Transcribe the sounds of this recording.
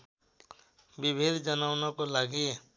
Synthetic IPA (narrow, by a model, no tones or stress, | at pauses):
bɪbʱɪd̪ʱd͡ʒənaːʊnakolaɡiɛ